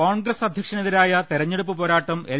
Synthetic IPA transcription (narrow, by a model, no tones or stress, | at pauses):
oːɳɡɾɐsɐd̪ʱjɐkʂɐneðiɾaːjɐt̪iɾɐɲːeɽup̬ːɨpo̞ːɾaːʈːɐme